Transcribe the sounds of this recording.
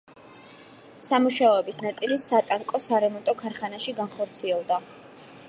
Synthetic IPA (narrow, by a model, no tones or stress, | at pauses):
samuʃaɔɛbisnat̪sʼilisat̪ʼaŋkʼɔsaɾɛmɔnt̪ʼɔkʰaɾχanaʃiɡanχɔɾt̪sʰiɛlˠd̪a